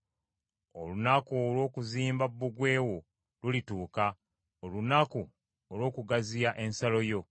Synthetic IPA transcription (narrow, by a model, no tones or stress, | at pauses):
o̰lunakuːlwo̞ːkuziːmbabːuɡwe̞ːwo̞ | lulituːka | olunaku | olwo̞ːkuɡaziaʔe̞nsalo̞jo̞